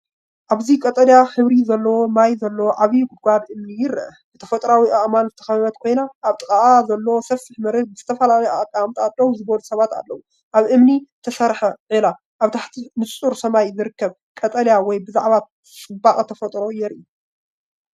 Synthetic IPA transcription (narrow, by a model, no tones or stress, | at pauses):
ʔaβzikʼɐt̪ʼɐljaxɨβɾizɐlːɐwo̞majzɐlːɐwoʕaβijɡʊd̪̚ɡʷabʔɨmnijɪrʔɐbɨt̪ʰɐfɐt̪ʼɾawiʔaʔmanzɨt̪ʰɐ̥xɐββɐt̪kʰo̞jnaʔːβt̪ʼɨkʼaʔazɐlːɐwosɐfɨħmɐɾɨɡ̚bɨz̥ɨt̪ʰɐfɐlalɐjakʼːamt̪ʼalːɐwuzɨβɐlusɐβat̪a̰lːɐwu | ʔaβʔɨmnit̪ʰɐsɐɾħɐʕila | ʔaβt̪ʰaħt̪ʰinɨuɾsɐmajzɨɾɨkːɐβ | kʼɐt̪ʼɐljawɔjbɨzaʕβat̪ | sʼɨbaχʼɐt̪ʰɐfɐt̪ʼɾo̞jɛɾʔiu